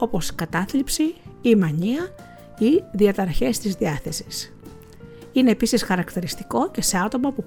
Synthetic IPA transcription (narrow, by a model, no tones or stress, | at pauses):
o̞po̞skɐt̪ɐθlipsiimɐɲiɐ | iðiɐt̪ɐɾçe̞st̪izðiɐθe̞si̥s | ine̞ːpisisxɐɾɐkt̪iɾist̪i̥ko̞ce̞se̞ɐt̪o̞mɐpu